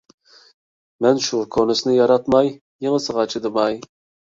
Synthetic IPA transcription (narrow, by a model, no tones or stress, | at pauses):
mɛnʃukʰonɨsnɪjɑɾɑt̪mɑj | jeŋəsɨʁɑt͡ʃʰid̪ɨmɑj